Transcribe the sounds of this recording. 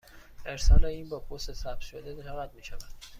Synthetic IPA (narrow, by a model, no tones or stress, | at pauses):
e̞ɾsɒːleiːnbɒːpʰost̪esæb̥ʃod̪ed̪eʃævæd̪̚miːʃævæd̪̥